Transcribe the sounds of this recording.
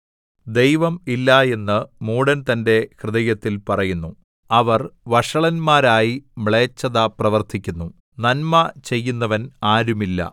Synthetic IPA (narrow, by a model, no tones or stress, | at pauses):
d̪e̞jʋɐmilːɐe̞nːɨmuːɽɐnt̪ɐnde̞krɨðɐjɐt̪ːilpɐrɐjunːu | ɐʋɐrʋɐʂɐɭɐnmaːɾaːjimɭeːt͡ɕːɐðɐprɐʋɐrt̪ʰikʲːunːu | nɐnmɐt͡ɕe̞jːunːɐʋɐnaːɾumilːɐ̰